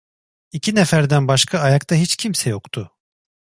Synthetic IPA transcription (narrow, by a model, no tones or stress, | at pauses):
icʰinɛfæɾd̪ænbaʃkʰaːjakt̪ʰaɦit͡ʃcʰimsɛjo̞kt̪ʰʊ